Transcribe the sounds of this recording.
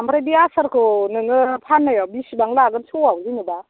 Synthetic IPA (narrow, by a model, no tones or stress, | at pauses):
ambʰɾajdiasaɾkʰɯnɯŋɯpʰanːɯjawbisibaŋlaɡɯnsuwawzinɯba